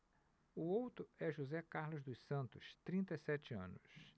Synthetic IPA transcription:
ʊowt̪ɾʊɛʒuzɛkaɾlʊzd̪ʊsɐ̃nt̪ʊst̪ɾĩnt̪ejsɛt͡ʃɪɐ̰̃nʊs

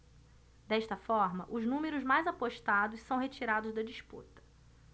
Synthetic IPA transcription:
d̪ɛʃt̪ɐfɔɾmɐʔʊznũmeɾʊzmajzapoʃt̪ad̪ʊssɐ̃w̃ɦet͡ʃiɾad̪ʊzd̪ɐd͡ʒispṵt̪ɐ̥

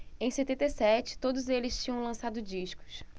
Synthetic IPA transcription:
ẽj̃set̪ẽnt̪ejsɛt͡ʃɪ̥t̪od̪ʊzelɪst͡ʃĩɲɐ̃w̃lɐ̃sad̪ʊd͡ʒiʃkʊ̥s

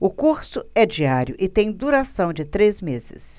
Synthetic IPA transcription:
ʊkuɾsʊɛd͡ʒiaɾjʊʔɪt̪ẽj̃d̪uɾasɐ̃w̃d͡ʒɪt̪ɾezmezɪ̰s

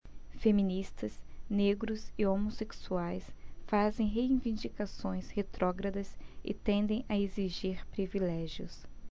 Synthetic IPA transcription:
femĩnist̪ɐsneɡɾʊzɪomoseksuajsfazẽj̃ɦeĩvĩnd͡ʒikasõj̃shet̪ɾʔɔɡɾɐd̪ɐsɪ̰t̪ẽnd̪ẽj̃ʔɐeziʒiɾpɾivilɛʒjʊs

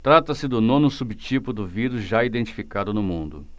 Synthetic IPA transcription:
t̪ɾat̪ɐsɪd̪ʊnõnʊsubit͡ʃipʊd̪ʊviɾʊzʒaid̪ẽnt͡ʃi̥fikad̪ʊnʊmũnd̪ʊ̰

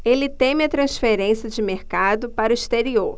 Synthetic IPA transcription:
elɪt̪ẽmɪɐt̪ɾɐ̃sfeɾẽsiɐd͡ʒɪmeɾkad̪ʊpaɾʊist̪eɾioɾ

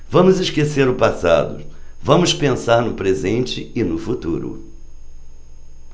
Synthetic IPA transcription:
vɐ̃mʊzɪskeseɾʊpasa̰d̪ʊ̰vɐ̃mʊspẽsaɾnʊpɾezẽnt͡ʃɪɪnʊfut̪uɾʊ̰

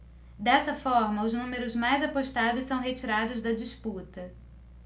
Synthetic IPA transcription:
d̪ɛsɐfɔɾmɐʊznũmeɾʊzmajzɐpoʃt̪ad̪ʊssɐ̃w̃ɦet͡ʃiɾad̪ʊzd̪ɐd͡ʒisput̪ɐ

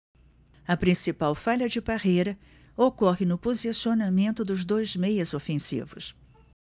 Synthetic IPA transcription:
ɐpɾĩsipawfaʎɐd͡ʒɪbahejɾɐ | okɔɦɪnʊpozisionamẽnt̪ʊd̪ʊzd̪ojzmejɐzofẽsḭvʊ̰s

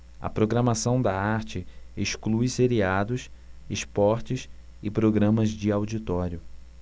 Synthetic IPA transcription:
ɐ̰pɾoɡɾɐmasɐ̃w̃d̪ɐaɾt͡ʃɪeʃklujseɾiad̪ʊsespɔɾt͡ʃɪs | ɪpɾoɡɾɐ̃mɐzd͡ʒɪawd͡ʒit̪ɔɾjʊ

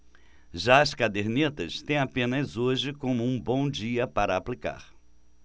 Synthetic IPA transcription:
ʒaɐskad̪eɾnit̪ɐst̪ẽj̃apẽnɐzoʒɪkõmʊũbõw̃d͡ʒiɐpaɾɐːplika̰ɾ

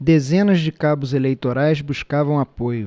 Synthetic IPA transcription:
d̪ezẽnɐzd͡ʒɪkabʊzelejt̪oɾajzbuʃkavɐ̃w̃apojʊ

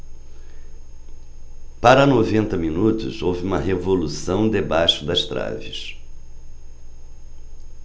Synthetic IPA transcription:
paɾɐnovẽnt̪ɐminut̪ʊ̰zowvɪũmɐɦevolusɐ̃w̃d̪ebajʃʊd̪ɐst̪ɾa̰vɪs

